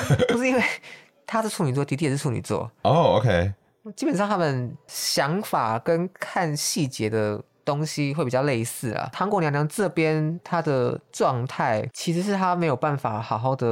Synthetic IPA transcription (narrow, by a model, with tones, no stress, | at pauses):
pu˥ʂɻ̩˥˩i˥nwe˥˩ɪ | t̪ʰa˥ʂɻ̩˥˩ʈ͡ʂʰu˧˥ni˨˩t͡swɔ˥˩t̪i˧˥i˥˧˨u˧˥nḭ˨˩t͡swɔ̰˥˩o˥˧˩o˧kʰe˦˥ɪ˥ | t͡ɕi˥pə˨˩nʂɑ˥˧ŋt̪ʰa˥mə˨nɕjɑ˧˥ŋfa˨˩kə˦nkʰa˥˧nɕi˥˩t͡ɕjɛ˧˥d̪ə˨ | t̪o˦ŋɕi˦˥xwe˥˩pi˨˩t͡ɕɑ˥˧le˥˧ɪsɹ̩˥˩lɐ̰˩t̪ʰɑ˧˥ŋkwɔ˧˥ljŋnjɑ˧˥ŋʈ͡ʂɤ˥˨pjɛ˦˥nt̪ʰa˥d̪ə˨˩ʈ͡ʂwɑ˥˧ŋt̪ʰa˥˩ɪt͡ɕʰi˧˥ʂ̬ɻ̩˧˥ʂ̬ɻ̩˥˩t̪ʰa˥me˧˥ɪjo˨˩ʊpa˥˩nfa̰˨˩xɑ˨˩ʊxɑ˥˩ʊd̪ə˨